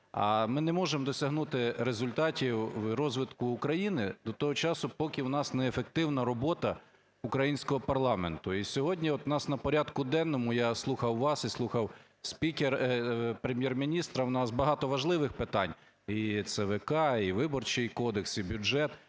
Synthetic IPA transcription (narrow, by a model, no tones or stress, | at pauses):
ɐ̰mɪnɛmɔʒemd̪ɔsʲɐɦnut̪ɪɾezʊlʲt̪ɑtʲiwɾɔzʋɪd̪kʊːkɾɐjinɪd̪ɔt̪ɔɦɔt͡ʃɑsʊpɔkʲɪwnɑsnɛːfek̚t̪ɪwnɐɾɔbɔt̪ɐ | ʊkɾɐjinʲsʲkɔɦɔpɐrlˠɑmḛnt̪ʊisʲɔɦɔdʲnʲiɔt̪nɑsnɐpɔɾʲad̪kʊd̪ɛnːɔmʊjaslˠuxɐwʋɑsislˠuxɐw | sʲpʲikʲerpɾemʲjermʲinʲist̪ɾɐwnɑsbɐɦɑt̪ɔʋɐʒlˠɪʋɪxpɪt̪ɑnʲ | it̪sɛʋɛkɑiʋɪbɔrt͡ʃɪjkɔd̪eksibʲʊʒɛt̪